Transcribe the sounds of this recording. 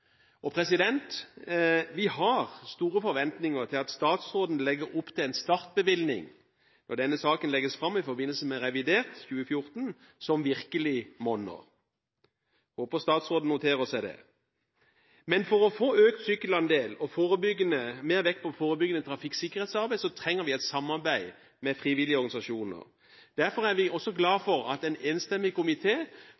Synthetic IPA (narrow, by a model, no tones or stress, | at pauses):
ɔpʰɾɛsɪd̪ɛnt̪ | ʋɪhɑʁst̪uːʁəfɔɾʋɛnt̪nɪŋəʁt̪ʰɪlɑt̪st̪ɑːt̪sʁoːd̪n̩lɛɡəɾʊpt̪ʰɪlɛɪnst̪ɑɾt̪̚bəʋɪlnɪ̰ŋ | nɔʁd̪ɛnːəsɑːkənlɛɡəsfɾɑmːɪfɔɾbɪnːəlsəmɛɾɛʋɪd̪eːʁt̪çʉːəfjʊʁt̪n | sɔmʋɪʁkəlɪmɔnːə̰ʁ | hoːpəst̪ɑːt̪sʁoːd̪n̩ʊt̪ʰeːɾəsæɪd̪ɛ̰ | mɛnfɔɾɔfoːøːkt̪sʏːkəlɑnd̪eːlɔfoːɾəbʏɡːənəmeːʁʋɛkːpʰɔfoːʁəbʏɡənət̪ʰɾɑfɪkːsɪkːəʁheːt̪sɑɾbæɪsɔt̪ʰɾɛŋːəɾʋɪæɪt̪sɑmːɑʁbæɪ | mɛfʁiːʋɪlɪəɔɾɡɑnɪsɑʃuːnə̰ʁ | d̪̥æʁfɔʁæʁʋɪʔɔsːɔɡlɑːfɔʁɑ̰t̪ɛɪneːnst̪ɛmːɪkʊmɪt̪ʰeː